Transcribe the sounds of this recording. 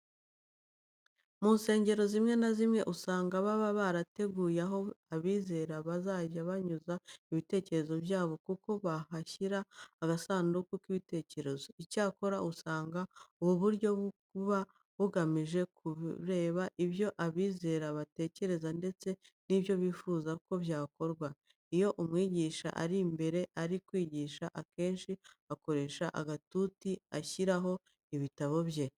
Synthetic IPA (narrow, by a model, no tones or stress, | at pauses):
muːnse̞ːɲɟe̞ɾo̞zimŋe̞nazimŋe̞ʔusaːŋɡaβaβaβaɾate̞ɡuːjaɦo̞aβiːze̞ɾaβazaːɟaβaɲuzaiβite̞ːce̞ɾe̞zo̞bjaːβo̞kuko̞βahaçiɾaːɡasaːndukukiβite̞ːce̞ɾe̞zo̞icaːko̞ɾaʔusaːŋɡauβuβuɾɟo̞ | βa | βuɡamiʒe̞kʰuɾe̞ːβaʔiβjo̞ʔaβiːze̞ːɾaβate̞ːce̞ɾe̞zande̞t͡se̞niβjo̞βiːfuːzako̞βjaːko̞ɾɡwa | ijo̞ʔumŋiːɟiʃa̰ʔa̰ɾimbe̞ɾe̞ʔaɾikwiːɟiːʃaʔake̞ːnʃiako̞ɾe̞ːʃaʔa̰ɡatutiaçiɾaɦo̞ | iβitaβo̞βje̞